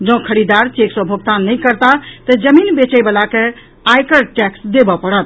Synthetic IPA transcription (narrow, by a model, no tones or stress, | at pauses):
d͡ʒə̃kʰəɾid̪aɾt͡ʃeksə̃bʱoɡ̚t̪anəjkəɾt̪at̪əd͡ʒəminbet͡ʃəjbəlake | ajkəɾʈɛksd̪ebɔpəɽət̪̚